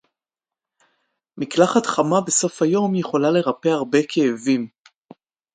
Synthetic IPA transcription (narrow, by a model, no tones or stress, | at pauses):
miklaχat̪χamabe̞so̞fhajo̞mjeχo̞lale̞ʁape̞aʁbe̞kʰe̞ːvim